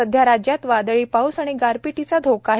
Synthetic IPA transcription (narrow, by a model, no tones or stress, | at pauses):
əd̪ʱjaɾad͡ʑjat̪ʋad̪əɭiːpausaɽ̃iɡaɾpiʈit͡sad̪ʱokaɦ